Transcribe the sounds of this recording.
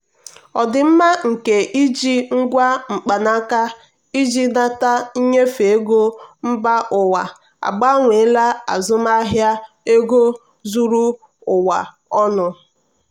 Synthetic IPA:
ɔ˨dɪ˨m̩˦ma˦ŋ̩˨ke˨ʔi˦d͡ʒi˦ŋ̩˦ɡʷa˦ŋ͡m̩˨k͡pa˨na˦ka˦ | i˦d͡ʒi˦na˦ta˦i˦ɲe˦fe˨e˦ɡo˦m̩˦ba˦ʔʊ˨wa˨ | a̰˨ɡ͡ba˦ŋʷe˨˦la˦a̰˨zʊ˦ma˦ɦja˦ | e˦ɡo˦ | zu˦ɾu˦ | ʊ˨wa˨ | ɔ˦nʊ˨

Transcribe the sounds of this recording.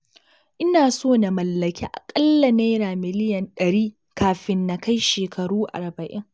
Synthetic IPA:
ʔɪ˦naː˨soː˦na˨mɐ˨lːɐ˨kʲḛ˦ʔa̰˨kʼɐ˦lːa˨neː˦ɾaː˨mɪ˦lɪ˦jɐ˨nɗɐ˨ɽiː˦ | kaː˨ɸɪ˦nːa˨ka˦jʃeː˨kʰɐ˨ɽuː˦ʔa̰˨ɾbɐ˨ʔɪ˦ŋ

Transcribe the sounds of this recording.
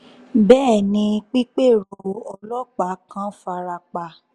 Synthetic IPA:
bɛː˦˨nĩ˧k͡pi˦k͡pe˦˨ɾo˨ɔ˧lɔ˦k͡pa˨˦kã˦fa˧ɾa˧k͡pa˧˨

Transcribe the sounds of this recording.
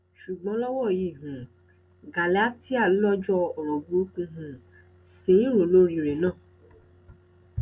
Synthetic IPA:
ʃu˨ɡ͡bɔ̃˨˦lɔ˦wɔ˦˨ji˦˨ɦũ˨ | ɡa˨la˦ti˦a˦˨˦lɔ˦d͡ʒɔ˧ɔ˨ɾɔ˨bu˦kũ˧ɦũ˨ | sĩ˨˦ɾo˨lo˦ɾĩ˧ɾe˨nãː˦˨

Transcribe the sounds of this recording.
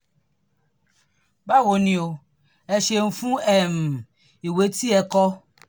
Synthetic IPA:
ba˦wo˨nĩ˨o˨ | ɛ˨ʃe˨ŋ̩˨fũ˦ɛ˨m˨ | i˨we˦t̪i˦ɛ˨kɔ˦

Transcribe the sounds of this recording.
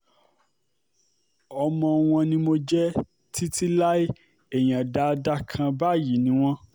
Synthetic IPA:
ɔ˧mɔ̃˧w̃ɔ̃˧nĩ˧mo˧d͡ʒɛ˦ | tʰi˦ti˦la˦i˦ | e˨j̃ã˨da˨˧da˦kʰã˧ba˦˨ji˨˦nĩ˧˦w̃ɔ̃˦

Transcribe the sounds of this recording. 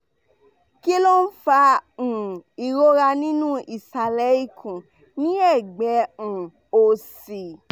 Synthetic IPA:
ki˦lo˦n̩˦fã˧˨ | i˨ɾo˦ɾa˧nĩ˦nũ˦i˨sa˨lɛ˨˦i˦˨kʰũ˨ | nĩ˦ɛ˦˨ɡ͡bɛ̃˨˦˨ | o˨si˨

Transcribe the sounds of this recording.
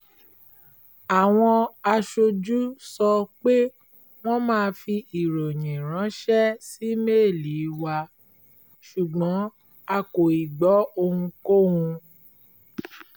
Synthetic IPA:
a˨w̃ɔ̃˧a˧ʃo˧d͡ʒu˦sɔ˧k͡pe˦ | w̃ɔ̃˦mãː˦˧fi˧i˨ɾo˨ɲ̃ĩ˨ɾ̃ã˨˦ʃɛ˦si˦me˦˨li˨˦wa˧ | ʃu˨ɡ͡bɔ̃˨˦ | a˧ko˨i˨ɡ͡bɔ˨˦o˧hũ˧ko˦hũ˧

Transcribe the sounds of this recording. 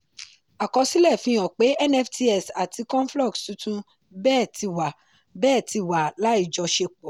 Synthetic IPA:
a˨kɔ˧si˦lɛ˦˨fĩ˧ɔ̃˨k͡pe˨˦ɛ˦˨nɛ˦fti˧ɛ˨sa˨ti˧kɔ̃˦n˦flɔ˦˨ktu˨˦tũ˦ | bɛː˦˨ti˧wa˨ | bɛː˦˨ti˧wa˨la˨˦i˦˨d͡ʒɔ˧ʃe˧k͡pɔ˨

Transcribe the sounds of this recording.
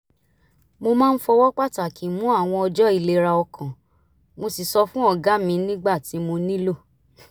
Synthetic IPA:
mo˧mãː˦n̩˦fɔ˧wɔ˦k͡pa˦ta˨ki˨mũ˨˦a˦˨w̃ɔ̃˧ɔ˧d͡ʒɔ˦i˦˧˨le˧ɾa˧ɔ˧kã˨ | mo˧si˨sɔ˧fũ˦ɔ˧˨ɡa˨˦mĩ˧nĩ˦ɡ͡ba˦˨ti˨˦mo˧nĩ˦lo˦˨

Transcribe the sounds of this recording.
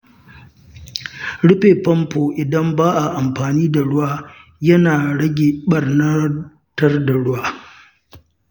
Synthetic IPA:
ɽɪ˦ɸeː˨pɐ˦mpoː˨ʔɪ˨dɐ˦mbaː˦ʔa˨ʔa˨mɸaː˨niː˦da˨ɽʊ˦waː˦jɐ˦naː˨ɽɐ˦ɡʲeː˨ɓɐ˨rnɐ˦ | tɐ˦rda˨ɽʊ˦waː˦

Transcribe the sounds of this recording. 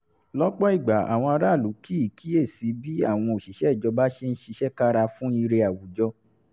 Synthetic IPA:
lɔ˦k͡pɔ˦i˦˨ɡ͡ba˨a̰˨w̃ɔ̃˧a˧ɾa˦˨lu˨˦ki˦i˦˨ki˦e˦˨si˨˦bi˦a˦˨w̃ɔ̃˧o˨ʃi˨˦ʃɛ˨˦˨d͡ʒɔ˧ba˦ʃe˦n̩˦ʃi˧ʃɛ˦ka˦ɾa˧fũ˦i˧ɾe˧a˨wu˨d͡ʒɔ˧

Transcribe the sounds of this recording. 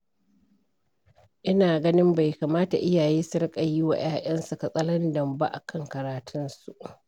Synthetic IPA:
ʔɪ˦naː˨ɡɐ˦nɪ˦mba˨jkaː˨maː˦ta̰˨ʔɪ˦jaː˨jeː˦sʊ˦ɾkʼa˨ji˦wa̰˨j̰ʔaː˦ʔɐ˦nsu˨ka˨sʼɐ˦lɐ˦ndɐ˨mba˦ʔa̰˨kʰɐ˦ŋkɐ˨ɾaː˨tʰʊ˦nsu˨ʔ

